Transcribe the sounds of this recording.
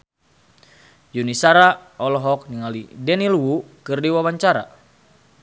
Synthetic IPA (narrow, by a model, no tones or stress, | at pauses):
junisaɾaɔlɔɦɔk̚niŋalḭdɛnilwukɨrdiwawaɲt͡ʃaɾa̰